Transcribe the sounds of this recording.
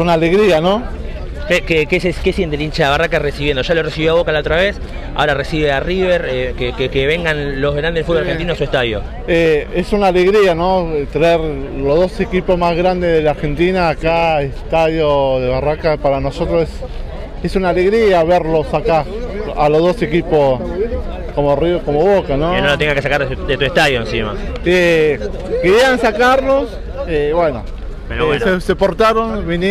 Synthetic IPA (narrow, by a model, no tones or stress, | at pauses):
unale̞ɣɾiano̞ | kekekeseskesjent̪elint͡ʃaβarakaresiβjend̪oʒaloresiβjoaβokalaot̪ɾaβes | a̰oɾaresiβeariβeɾekekekeβeŋɡanlo̞zɣɾand̪elfud̪bolɾɾxeninoasuest̪aðjo̰ | eesunaːle̞ɣɾiano̞t̪eneɾ | loɦðo̞se̞kipozmazɣɾand̪eðelaɾxe̞nt̪inaːkaesst̪aðjoðeβarakapaɾano̞sot̪ɾoses | esunaːle̞ɣɾiaβeɾlo̞sakaaloðo̞se̞kipos | komoriokomoβokanoenolot̪eŋɡakesakaɾd̪et̪ueht̪aðjoensima̰e | keɾjeansakaɾlos | eβweno̰ | mesesepo̞ɾt̪aɾonβin